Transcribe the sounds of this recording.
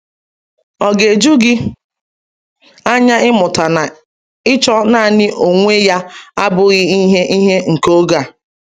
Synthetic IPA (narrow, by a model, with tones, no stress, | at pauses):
ɔ˨ɡe˨d͡ʒu˦ɡɪ˦ | a˦ɲa˦ɪ˦mʊ˨ta˨na˨ | ɪ˦t͡ʃɔ˦na˦˨nɪ˦ʔo˨ŋʷe˦ja˦a˦bʊ˦ɣi˦i˦ɦe˦ʔi˦ɦe˦ŋ̩˨ko˦ɡa˦˨